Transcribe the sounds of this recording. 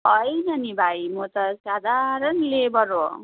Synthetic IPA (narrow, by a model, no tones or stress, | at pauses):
ʌjnʌnibʱajmot̪ʌsad̪ʱaɾʌnlebʌɾo